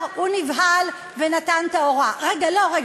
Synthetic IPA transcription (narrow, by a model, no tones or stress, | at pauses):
hunivɦal | venat̪ant̪ao̞ʁaʁeɡalo̞ʁe